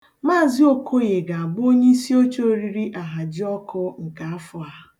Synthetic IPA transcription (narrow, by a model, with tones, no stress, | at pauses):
maː˦˨zi˦o˦kʰo˦ɣe˨ɡa˨a˨ɡ͡bo˦ɲe˦i˦si˦o˦t͡ʃo˦ɾi˦ɾi˦ʔa˨ɦa˨d͡ʒɪ˦ɔ˦kʊ˦ŋ̩˨ka˨a˦fʊ˦a˦